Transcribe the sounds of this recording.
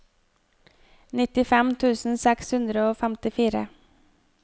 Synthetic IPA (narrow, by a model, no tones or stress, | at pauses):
nɪt̪ɪfɛmt̪ʰʉːsn̩sɛkshʉnd̪ɾəoːfɛmt̪ɪfiːɾə̰